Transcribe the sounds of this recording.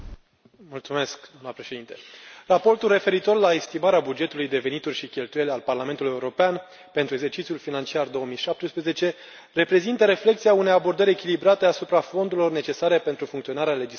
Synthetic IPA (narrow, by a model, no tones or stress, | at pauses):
mult̪sume̞skd̪amnəpɾe̞ʃe̞d̪int̪e̥rapo̞rt̪ulre̞fe̞ɾit̪o̞rlaest̪imaɾeabud͡ʒe̞t̪ulujd̪e̞ve̞nit̪urʲʃikʲe̞lt̪uje̞lealparlame̞nt̪uluje̞uɾo̞pean | pe̞nt̪ɾue̞ɡse̞rt͡ʃit̪sjulfinant͡ʃiard̪o̞omijʃap̚t̪ɾuspɾeze̞t͡ʃe̞ | re̞pɾe̞zint̪əɾe̞fle̞kt̪sijaune̞jabo̞rd̪əɾʲe̞kʲilibɾat̪e̞asupɾafo̞nd̪uɾilo̞rne̞t͡ʃe̞saɾe̞pe̞nt̪ɾufuŋkt̪sio̞naɾeale̞d͡ʒi